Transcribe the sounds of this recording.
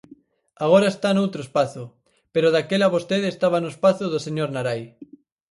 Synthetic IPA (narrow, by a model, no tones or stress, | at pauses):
aɣ̞oɾaest̪anowt̪ɾoespaθʊ | peɾoðakelaβost̪eðest̪aβ̞anoespaθʊðoseɲoɾnaɾaj